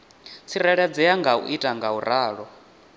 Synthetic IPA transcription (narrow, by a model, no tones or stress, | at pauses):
t͡sʰiɾaɺad͡zɛjaŋɡaṵʔitʼaŋɡauɾaːɺɔ